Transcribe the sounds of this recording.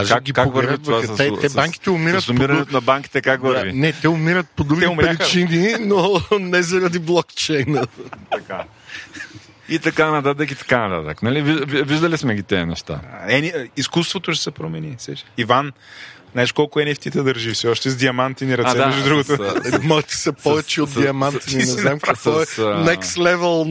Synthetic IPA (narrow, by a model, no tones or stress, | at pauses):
aʒkɡikakvəɾɾvit̪vasst̪ɛbbaŋki̥t̪ɛʊmiɾəsʊmiɾɐnɛt̪onɐbaŋki̥t̪ɛkakvɐɾvinɛt̪ɛʊmiɾət̪̚pod̪ɾuɡɛomʲaixt͡ʃininonɛzɐɾɐd̪iblˠɔkt͡ʃɛjnət̪ɐka | it̪ɐkanɐt̪at̪̬əkit̪ɐ̥kanɐt̪at̪əknɐliviʒviviʒd̪ɐlismɛɡʲit̪ɛnɛ̰ʃt̪a̰ɛniiskust̪vot̪oʃɛ̥sɛpɾomɛnisɛʃivan | naɛʃkɔlˠkʊɛnɛft̪it̪ɛd̪ɐɾʒifsɛɔʃt̪ɛzd̪iɐmant̪iniɾɐɛɐʃd̪ɾuɡot̪omɔt̪i̥sɛpɔvɛt͡ʃɛot̪d̪iɐmant̪ininɛzamkak̪ɔɛsnɛst̪lɛvɛlˠ